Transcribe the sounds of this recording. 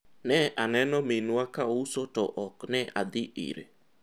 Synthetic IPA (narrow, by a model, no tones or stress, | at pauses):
nɛʔanɛnɔmenuakaousotɔʔɔknɛʔa̰ðɪʔḭɾḛ